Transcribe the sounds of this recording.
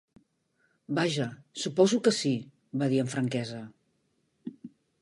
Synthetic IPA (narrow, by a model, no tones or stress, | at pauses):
baʒəsupɔzukəsi | βaðiəɱfɾəŋkɛzə